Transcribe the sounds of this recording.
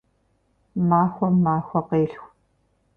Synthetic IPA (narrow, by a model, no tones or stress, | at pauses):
maːxʷɔmaːxʷɐqeːɬxʷ